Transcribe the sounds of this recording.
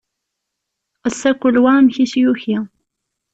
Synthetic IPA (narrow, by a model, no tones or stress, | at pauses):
əsːækʷːəlwamçisjuçi